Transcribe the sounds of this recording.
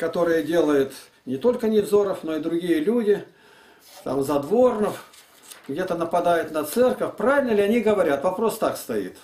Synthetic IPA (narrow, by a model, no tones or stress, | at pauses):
kɐt̪o̞ɾɨjədʲe̞lˠəjʊt̪ | nʲɪt̪o̞lʲkənʲɪvzo̞ɾəfno̞ɪd̪ɾʊɡʲijəlʲudʲɪ | t̪a̰mzɐd̪vo̞rnəf | ɡdʲe̞t̪ənəpɐd̪ajʊt̪nɐt̪sɛrkəfʲpɾavʲɪlʲnəlʲɪɐnʲiɡəvɐɾʲat̪vɐpɾo̞st̪akst̪ɐḭt̪